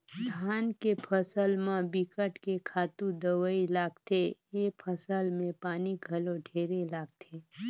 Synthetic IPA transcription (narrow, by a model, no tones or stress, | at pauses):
d̪ʱaːnkepʰəsəlmãbikəʈkekʰaːt̪ũd̪əwəilaːɡt̪ʰejeːpʰəsəlmẽpaːniɡʱɐloɖʱeːɾelaːɡ̚t̪ʰeː